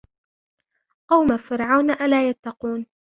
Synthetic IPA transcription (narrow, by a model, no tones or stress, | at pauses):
ʔawmafɪɾʕawnaʔalaːjat̪ːɑquːn